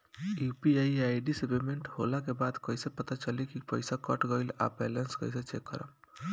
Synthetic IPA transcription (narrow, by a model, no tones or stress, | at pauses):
jupiajaiɖisebemeɳʈholakebad̪kəjsepət̪at͡ʃəlikipəjsakəʈɡəɪla̰bɛlənskə̰jset͡ʃekːə̰ɾə̰m